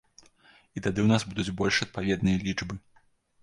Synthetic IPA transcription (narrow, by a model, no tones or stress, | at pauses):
it̪ad̪ɨwnazbud̪ud͡zʲbɔlʲʂɐt̪̚pavʲɛd̪nɨjɐlʲit͡ʂbɨ